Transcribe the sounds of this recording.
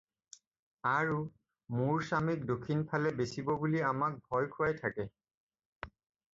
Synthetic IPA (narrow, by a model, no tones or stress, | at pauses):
aɹu | muɹsamik̚dokʰːinpʰalɛbesibɔbuliamak̚bʱɔjkʰuajtʰakɛ